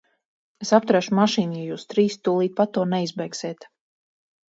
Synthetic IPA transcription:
esapt̪uɾæʃumaʃiːnjajuːst̪ɾiːst̪ulˠiːt̪̚pat̪ːuɔnɛjizbɛjkseːt̪

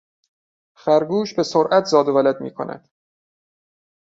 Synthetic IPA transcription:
xæɾɡuːʃbe̞soɾʔæt̪ʰzɒːd̪ovælæd̪mḭːkʰo̰nʔæ̰d̪̥

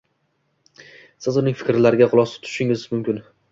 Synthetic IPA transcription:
sɪzʊnɪŋʲfɪ̥kʲɾlaɾɪɡʲaʁʊlˠɒsɪ̥t̪ʰʊ̥ʃɪŋɪzmʊmkʲɪn

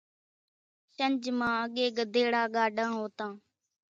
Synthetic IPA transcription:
ʃənd͡ʒmãːəɠeːɡəd̪eːɽaːɡaːɖãːɦoːt̪ãː

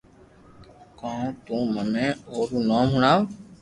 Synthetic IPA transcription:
kãːt̪ũːmənẽːoːɾuːnaːmɦʊɳaːʋ

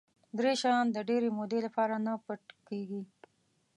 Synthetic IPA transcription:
d̪ɾeʃɑnd̪əɖeɾemod̪elapɑɾanapəʈkeɡi

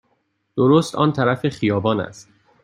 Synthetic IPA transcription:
d̪̥oɾoːst̪ʰɒ̰ːnt̪ʰæɾæfexijɒːbɒːnæ̰st̪

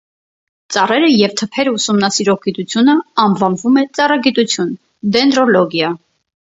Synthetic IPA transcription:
t͡sɑrɛɾəjɛvt̪ʰəpʰɛɾəusumnɑsiɾɔʁɡit̪ut͡sʰjunəɑmvɑnvumɛt͡sɑrɑɡit̪ut͡sʰjun | d̪ɛnd̪ɾɔlɔɡjɑ

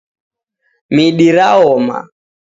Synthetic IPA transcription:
miɗiɾaɔma̰

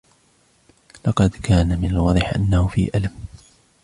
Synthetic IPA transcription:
lɑqɑd̪kʰaːnamɪnalwɑðˤɪħʔa̰nːahʊfḭːʔalam

